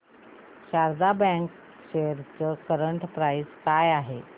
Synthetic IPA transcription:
ɕaɾd̪abɛ̃k | ɕeɾt͡səkəɾəɳʈpɾajskajaɦe

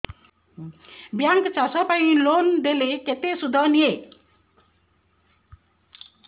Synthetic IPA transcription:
bjaŋkt͡sasʌpaĩlond̪eleket̪esud̪ʱʌnie

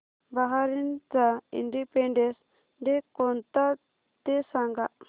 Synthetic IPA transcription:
baɦaɾint̪aḭɳɖipɛɳɖɛs | ɖɛkɔnt̪a | t̪ɛsaŋɡaʔ

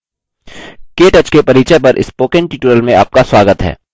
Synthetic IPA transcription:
keːʈət͡ʃkepɐɾiːt͡ʃɛpɐɾʔɪ̰spoːkẽɳʈiːʈuɾəlmẽa̰ːp̚kaswaːɡət̪ɦɛ̰ː

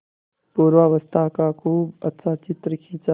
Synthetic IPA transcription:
poːɾʋaːʋəst̪ʰakakʰuːbɐt̪ːsaːt͡ʃɪt̪ɾəkʰit͡ʃa

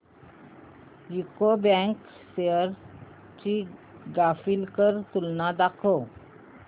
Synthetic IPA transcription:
jikobɛ̃ŋk | seəɾ | t͡ɕiɡafilkəɾt̪ulnad̪akʰo

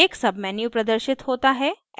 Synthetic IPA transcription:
eːksɐbmɛːnjupɾɐd̪əɾʃɪt̪ɦoːt̪aɦɛ

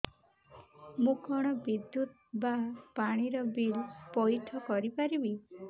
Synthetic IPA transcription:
mũkɔɽ̃ɔbid̪jut̪̚ | bapaɽ̃iɾɔbiɭpɔjʈʰɔkɔɾipaɾibi

